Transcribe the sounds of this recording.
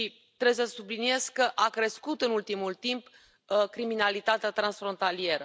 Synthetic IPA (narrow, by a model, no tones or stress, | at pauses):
ʃi | t̪ɾebesəsublinie̞skkːəʔakɾe̞skut̪ɨnult̪imult̪imp | kɾiminalit̪at̪eat̪ɾansfɾo̞nt̪alie̞ɾə